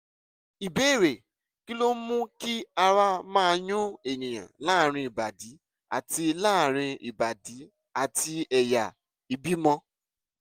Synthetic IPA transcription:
i˨be˨˦˨ɾe˨ | ki˦lo˦mũ˦ki˦a˧ɾa˦mãː˦˧ɲũ˦e˨ñĩ˨j̃ã̰˨la˦˨ɾ̃ĩ˧i˨ba˨di˨˦ | a̰˨ti˧laː˦˨ɾ̃ĩ˧i˨ba˨di˨˦ | a˨ti˧ɛ˨ja˨ | i˨bi˦mɔ̃˧

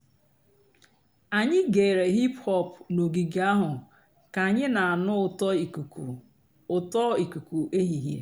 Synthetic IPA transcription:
a˨ɲɪ˦ɡe˨ɾe˨ɦi˦phɔ˦pno˨ɡi˨ɡa˦ɦʊ˨ | ka˨ɲɪ˦na˨a˨nʊ˦˨ | ʊ˨tɔ˦i˨ku˨ku˨ʔe˦ɦi˨ɦjḛ˨˦

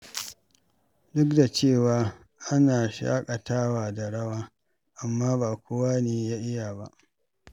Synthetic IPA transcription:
dʊ˦k̚da˨t͡ʃeː˦˨waː˨˦ | ʔa˦naː˨ʃa̰ː˦kʼa˨taː˦waː˨da˨ɽɐ˦waː˦ | ʔa˨mːaː˦baː˨kʷo˦waː˦neː˨jaː˦ʔɪ˦jaː˨ba̰˦ʔ

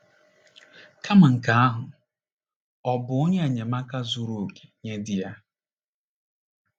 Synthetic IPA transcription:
kʰa˦ma˨ŋ̩˨ka˨a˦ɦʊ˨ | ɔ˨bʊ˨ʊ˦ɲe˦a˨ɲe˨ma˦ka˦zu˦ɾu˨ke̥˨ɲe˦dɪ˨ja˦

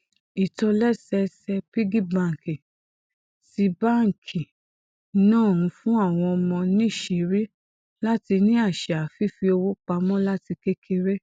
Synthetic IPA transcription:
i˨tɔ˧lɛ˦sɛ˧sɛ˧pi˦ɡi˦bã˨ŋ̩˨ki˨ | si˧ba˦ŋ̩˨kʰi˨˦ | nãː˦˨ũ˨˧˦fũ˦a˦˨w̃ɔ̃˧ɔ˧mɔ̃˧nĩ˦˨ʃe˨ɾi˦ | la˦ti˧nĩ˦a˦˨ʃa˨fi˦fi˧o˧wo˦k͡pa˧mɔ̃˦la˦ti˧ke˦kʰe˧ɾe˦

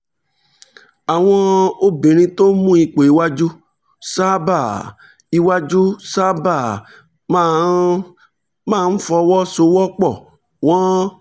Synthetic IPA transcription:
a˨w̃ɔ̃˧o˦be˨ɾ̃ĩ˧to˦mũ˦i˧k͡po˨i˨wa˦d͡ʒu˦ | sa˦ba˦˨ | i˧wa˦d͡ʒu˦sa˦ba˦˨ | mãː˦˨n̩˦fɔ˧wɔ˦so˧wɔ˦k͡pɔ˦˨ | w̃ɔ̃˦

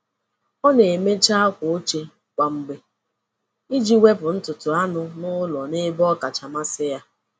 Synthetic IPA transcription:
ɔ˦ne˨e˨me˦t͡ʃa˦a˦kʷʊ˨o˦t͡ʃe˦ | kʷa˨m̩˦ɡ͡be˦ | i˦d͡ʒi˦we˦pʊ˨n̩˦tʊ˨tʊ˨a˦nʊ˦nʊ˦lɔ˨nɪ˦bɔ˦ka˨t͡ʃa˨ma˦sɪ˦ja˦

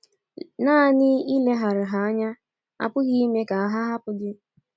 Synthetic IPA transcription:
naː˦˨nɪ˦i˦le˦ɦa˨ɾa˨ɦa˨a˦ɲa˦ | a̰˨pʊ˦ɣi˦i˦me˦ka˨a˨ɦa˦ɦa˦pʊ˨dɪ˦

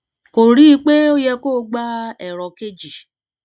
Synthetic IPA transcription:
ko˨ɾi˦k͡pe˦o˦jɛ˧ko˦˨˦ɡ͡ba˦ɛ˨ɾɔ˨ke˦d͡ʒi˨

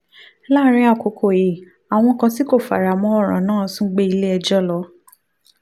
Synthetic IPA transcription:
la˦ɾ̃ĩ˧˦a˦˨ko˨˦kʰo˨je˨ | a˨w̃ɔ̃˧kã˧ti˦ko˦˨fa̰˨ɾa˨mɔ̃˧˦ɔ˦˨ɾ̃ã̰˨nãː˦˨˦sũ˦ɡ͡be˦i˧le˦ɛ˧d͡ʒɔ˦lɔ˨˦

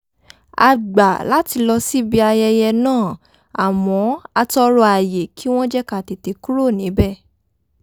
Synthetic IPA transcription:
a˧ɡ͡ba˨la˨˦ti˧lɔ˧si˦bi˧a˧jɛ˧jɛ˧nãː˦˨ | a˨mɔ̃˨˦a˧tɔ˧ɾɔ˧a˨je˨kʰi˦w̃ɔ̃˦d͡ʒɛ˦ka˦˨te˨te˨˧ku˦ɾo˦˨nĩ˨˦bɛ˦˨

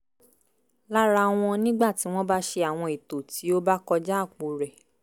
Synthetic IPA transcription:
la˦ɾa˧w̃ɔ̃˧nĩ˦ɡ͡ba˦˨ti˨˦w̃ɔ̃˦ba˦ʃe˧a˨w̃ɔ̃˧i˨to˨ti˨˦o˦ba˦kɔ˧d͡ʒa˦˨k͡po˨˧ɾɛ˨

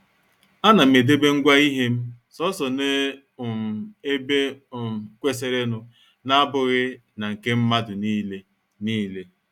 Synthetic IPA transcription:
a˦na˨m̩˨e˨de˦be˦ŋ̩˦ɡʷa˦i˦ɦe˦m̩˦ | sɔ˦sɔ˨ne˦˨ | m˨e˦be˦˨ | kʷe˦s̬e˨ɾe˦nʊ˦ | na˦bʊ˨ɣɪ˦ | na˨ŋ̩˨ke˦m̩˦ma˦dʊ˨ni˦le˦ | niː˦le˦

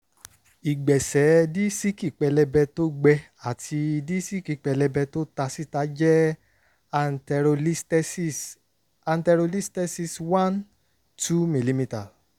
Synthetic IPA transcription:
i˨ɡ͡bɛ˨sɛ˨˦di˦si˦ki˦˨k͡pɛ˧lɛ˧bɛ˧to˦ɡ͡bɛ˧ | a˨tʰi˧di˦si˦ki˨k͡pɛ˧lɛ˧bɛ˧to˦ta˧si˦ta˨˦d͡ʒɛ˦˧˦ | s | a˧ntɛ˧ɾo˧li˦stɛ˦si˦swã˦n | tʰu˦mĩ˨li˦mĩ˧ta˨

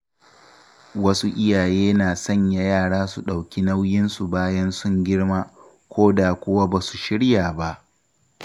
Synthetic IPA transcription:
wɐ˦su˦ʔɪ˦jaː˨jeː˦naː˨sɐ˦˨ɲja˨jaː˦˨ɽaː˦su˨ɗa˨wkʲi˦na˦wjɪ˦nsu˨baː˦jɐ˦nsʊ˦˨ŋɡʲɪ˦ɽmaː˦ | kʷʰoː˦da˨kʷʊ˦wa˦baː˨su˨ʃɪ˦ɽjaː˨ba˦ʔ

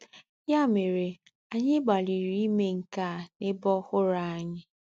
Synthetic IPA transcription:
ja˦˨me˨ɾe˨ | a˨ɲɪ˦ɡ͡ba˨li˨ɾi˦i˦me˦ŋ̩˨ka˦˨nɪ˦bɔ˦hʊ˦ɾa˨a˦˨ɲɪ˦

